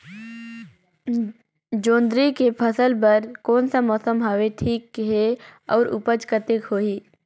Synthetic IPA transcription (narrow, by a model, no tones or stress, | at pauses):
d͡ʒõːnd̪ɾikepʰəsəlpɐɾkɔːnsamɔːsəmɦaːʋeʈʰiːkɦeɔːɾʊ̰pəd͡ʒkət̪ekɦoːiː